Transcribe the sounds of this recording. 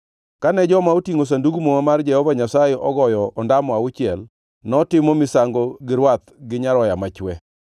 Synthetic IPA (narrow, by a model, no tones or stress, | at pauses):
kanɛd͡ʒɔmaotiŋos̬anduɡumomamard͡ʒɛhɔvaɲasaeʔɔɡɔjɔʔɔndamɔaʊt͡ʃɪɛl | nɔtɪmɔmɪsaŋɡɔɡɪɾwat̪ɡɪɲaɾɔjamat͡ʃwɛ